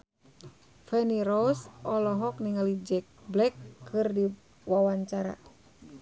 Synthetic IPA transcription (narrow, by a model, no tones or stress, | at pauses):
fɛniɾɔsʔɔlɔɦɔk̚niŋalid͡ʒɛk̚blɛkʰːɨrdi | wawaɲt͡ʃaɾa̰